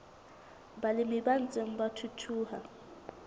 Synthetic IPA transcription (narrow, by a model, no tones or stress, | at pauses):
balɪmɪban̩t͡sʼeŋ̩batʰutʰuːha